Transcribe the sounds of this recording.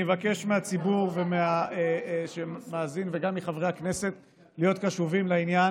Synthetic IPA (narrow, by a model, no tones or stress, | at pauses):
evake̞ʃmeat͡sibuʁvemeaeʃemaːzinveɡamliχavʁehakne̞se̞t̪ | lijo̞t̪kaʃuvimlainja